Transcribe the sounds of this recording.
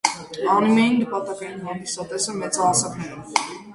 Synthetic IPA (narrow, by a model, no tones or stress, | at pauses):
ɑnimjɑjinːəpɑt̪ɑkɑjinɦɑnd̪isɑt̪ɛsəmɛt͡sɑːsɛknɛɾɛ